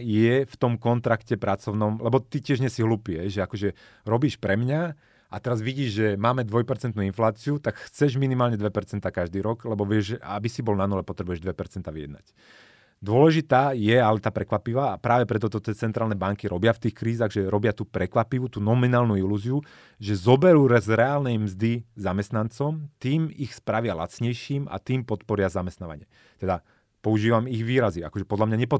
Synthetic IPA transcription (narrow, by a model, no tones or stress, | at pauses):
jɛft̪ɔmkɔnt̪ɾakcɛpɾat͡sɔʊnɔmlɛbɔt̪icɪɛʒɲɛsiɦluːpiɛɦɛjʒɛakɔʒɛ | ɾɔbiːʃpɾɛmɲa | at̪ɛɾazʋiɟiːʒʒɛmaːmɛd̪ʋɔjpɛɾt͡sɛnt̪nuːinflaːt͡siut̪akxt͡sɛʒminimaːlɲɛd̪ʋɛpɛɾt͡sɛnt̪aːkaʒd̪iːɾɔɡlɛbɔʋɪɛʒabisibɔlnanulɛpɔt̪ɾɛbujɛʒd̪ʋɛpɛɾt͡sɛnt̪aʋijɛd̪na̰c | d̪ʊɔlɛʒit̪aːjɛalɛt̪aːpɾɛkʋapiʋaːpɾaːʋɛpɾɛt̪ɔt̪ɔt̪ɪɛt͡sɛnt̪ɾaːlnɛbaŋkiɾɔbɪaft̪iːxkɾiːzaɣʒɛɾɔbɪat̪uːpɾɛkʋapiʋut̪uːnɔminaːlnuiluːziu | ʒɛzɔbɛɾuːɾɛzɾɛaːlnɛjmzd̪izamɛst̪nant͡sɔmt̪iːmixspɾaʋɪala̰t͡sɲɛjʃiːma̰t̪iːmpɔt̪pɔɾɪazamɛst̪naːʋa̰ɲɪɛ | t̪ɛd̪a | pɔuʒiːʋamiɣʋiːɾazia̰kɔʒɛpɔd̪ʎamɲaɲɛpɔ